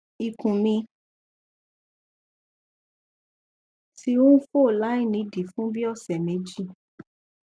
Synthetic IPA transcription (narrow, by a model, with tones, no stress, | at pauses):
i˨kũ˨mĩ˧ | ti˧ũ˦fo˦˨la˨˦i˦˨nĩ˧˦di˨fũ˦bi˦ɔ˦˨sɛ˨me˨˦d͡ʒi˦˨